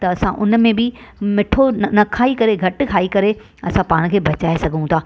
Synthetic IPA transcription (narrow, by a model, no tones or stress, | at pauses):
t̪ɐɐsãʔʊn̆mẽbɪmɪʈʰonnɐkʰaːikɐɾeɡʱɐʈkʰaːikɐɾe | ɐsãpaːɽ̃kʰeːbɐt͡ɕaːesɐɡʱũt̪ʰaː